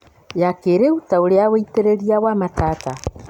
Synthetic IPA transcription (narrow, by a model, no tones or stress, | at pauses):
jakeːɾeutaoɾeaweiteɾeɾiawamataːta